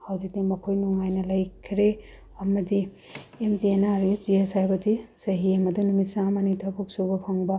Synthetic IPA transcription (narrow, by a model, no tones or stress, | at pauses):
hawzik̚dimɐkʰojnuŋajnɐlɐjkʰɾe | ɐmɐdi | emdienaɾusd͡ʒiesajbɐdisɐɦiɐmɐdunumisamɐnitʰɐbuk̚subɐpʰaŋbɐ